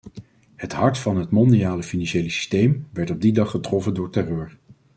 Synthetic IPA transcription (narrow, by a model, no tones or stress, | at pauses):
hətɦɑɹtfɑnɦətmɔndijaːləfinɑnʃejləsi̥stejmʋɛɹtɔb̚didɑχətrɔfəndʊːɹtɛrøːɹ